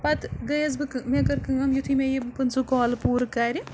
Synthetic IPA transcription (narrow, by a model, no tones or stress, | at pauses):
pɐt̪ɡɐjɐzbɨkɨmekɐɾkɨŋɐmjut̪ʰimejibɨpɨnsukoːlpuːɾɨkːaːɾʲi